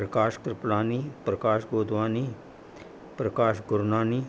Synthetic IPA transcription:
ɾəkaːʃkɾɪplaːniːpɾəkaːʃɡoːd̪ʋaːniː | pɾəkaːʃɡʊɾnaːniː

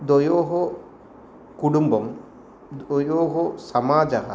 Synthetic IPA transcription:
d̪ojoːɦo | kuɽumbɐm | d̪ojoːɦosɐmaːd͡ʒɐɦɐ̰

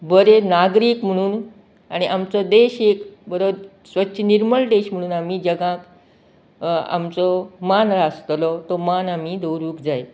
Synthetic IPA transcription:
bəɾenaɡɾiːkm̤əɽ̃uːn | aɽ̃iʔamt͡sɔd̪eɕekbəɾoɾ | sʋətːɕʰəniɾməɭɖ̪eɕm̤əɽ̃uːnamiːd͡ʑəɡãk | a̰mt͡sɔmanɾast̪lɔt̪ɔmanamid̪əwɾuːkd͡zaj

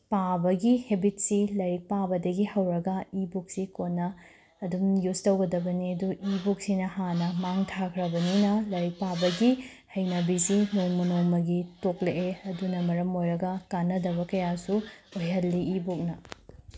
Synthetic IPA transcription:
pabɐɡihebit̚silɐɾik̚pabɐdɐɡihɐwɾɐɡɐibuk̚sikonːɐː | dumjustɐwɡɐdɐbɐniɐduibuk̚sinɐhanɐmaŋtʰakʰɾɐbɐninɐlɐɾik̚pabɐɡi | hɐjnɐbisimuŋmunomɐɡitokleʔeɐdunɐmɐɾɐmojɾɐɡɐkanːɐdɐβɐkɐjasuojɦɐlːiːbuk̚nɐ

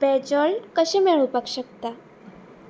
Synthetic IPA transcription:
bɛd͡ʑəlkəɕẽmeɭopakɕəkt̪a

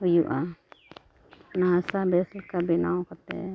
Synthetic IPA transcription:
ɦujuʔa | nasabɛslkabinawkat̪ɛ̰

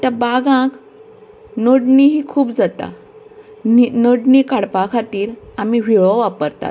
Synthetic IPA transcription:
t̪jabaɡãk | nəɽniɦiːkʰuːpd͡zat̪a̰ | ninəɽniːkaɽpakʰat̪iːɾam̤iʋ̤iɭɔʋapəɾt̪a̰t̪

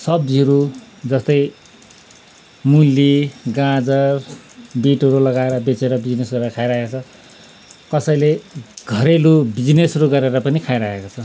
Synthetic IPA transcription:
sʌbiʌɾud͡zʌst̪ʌj | mulːiɡãd͡zʌr | biʈʌɾulʌɡaeɾʌbet͡seɾʌbid͡znesɡʌɾeɾʌkʰajɾaekot͡sʰʌ | kʌsʌjleɡ̥ʱʌɾelubid͡znesʌɾuɡʌɾeɾʌpʌnikʰajɾaekot͡sʰʌ

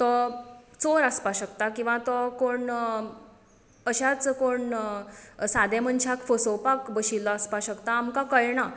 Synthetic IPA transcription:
t̪ɔt͡soɾaspaɕəkt̪akĩw̃ʋãt̪ɔkoɳ | əɕat͡skoɳ | sad̪emənt͡ɕʰakfəsopakbəɕilːəəspaɕəkt̪aːmkakəɭɳa

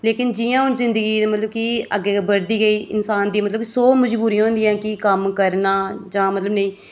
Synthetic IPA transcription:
leːkɪnd͡ʒɪjãːʊnzɪ̃nd̪əɡiːd̪mət̪ləb̚kɪə̰ɡːeːbəɾd̪iːɡəiːɪ̰nsaːnd̪iːmət̪ləbsoːməd͡ʒbuːɾĩːɦõːnd̪ɪjãːkɪkəmkəɾnaːd͡ʒãːmət̪ləbnəĩː

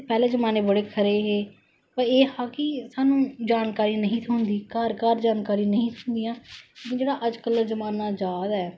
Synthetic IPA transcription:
pɛːlẽːzəmaːneːbəɽeːkʰəɾeːɦeː | pəɾeːhaːkɪsaːnũːd͡ʒaːnkaːɾiːnəɦĩːt̪ʰuːnd̪iːkaːɾkaːɾd͡ʒaːnkaːɾiːnəɦĩːt̪ʰuːnd̪ijãːleːkɪnd͡ʒeːɽaːʔəd͡ʒkəlzəmaːnaːd͡ʒaːd̪aɛː

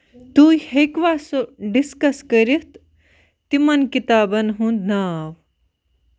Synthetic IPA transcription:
t̪uːhekʋaːsoɖiskɐskɐɾiht̪ | t̪imɐnkit̪aːbɐnɦũnd̪naːw

